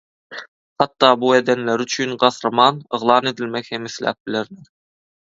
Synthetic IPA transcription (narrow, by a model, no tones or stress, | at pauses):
χɑt̪ːɑːbued̪enleɾyt͡ʃʰyːnɢɑθɾɑmɑːnɯʁlˠɑːne̞d̪ilmekhemiθlæ̰ːp̚bileɾneɾ